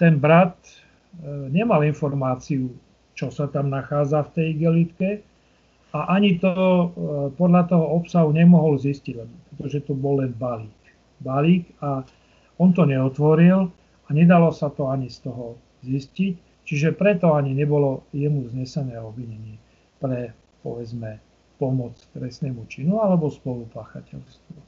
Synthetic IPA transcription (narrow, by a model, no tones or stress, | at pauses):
t̪ɛnbɾat̪ | ɲɛmalinfɔɾmaːt͡siu | t͡ʃɔsat̪amnaxaːd͡zaft̪ɛjiɡɛlit̪kɛ | aʔaɲit̪ɔɔpɔd̪ʎat̪ɔɦɔɔpsaɦuɲɛmɔɦɔlzisciɟlɛbɔpɾɛt̪ɔʒɛt̪ɔbɔlːɛnbaliːk | baliːka | ɔnt̪ɔɲɛɔt̪ʋɔɾil | aɲɛd̪alɔsat̪ɔaɲist̪ɔɦɔ | ziscic | t͡ʃiʒɛpɾɛt̪ɔaɲiɲɛbɔlɔjɛmuzɲɛsɛnɛːɔbʋiɲɛɲɪɛ | pɾɛ | pɔ̰ʋɛd͡zmɛ | pɔmɔt͡st̪ɾɛsnɛːmut͡ʃinualɛbɔspɔlupaːxa̰cɛ̰ʎst̪ʋɔ